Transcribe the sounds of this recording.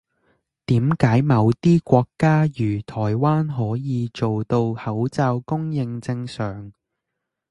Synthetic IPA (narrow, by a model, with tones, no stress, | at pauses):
t̪iː˨˥mkaː˨˥jmɐ˨˧wt̪iː˥kʷɔː˧kːaː˥jyː˨˩t̪ʰɔː˨˩jwaː˥nɦɔː˨˥jiː˨˧t͡so˨wt̪o˧whɐ˨˥wt͡saː˧wkʊ˥ŋjɪ˧ŋt͡sɪ˧ŋsœː˨˩ŋ